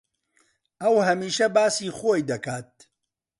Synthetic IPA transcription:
ɐwɦɐmiːʃɐbaːsiːxoːjd̪ɐkaːt̪̚

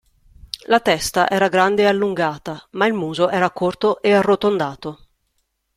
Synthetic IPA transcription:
lat̪ɛst̪aʔɛːɾaɡɾand̪eːalːuŋɡaːt̪amailmuːzoʔɛːɾakort̪oʔearːot̪ond̪aːt̪o

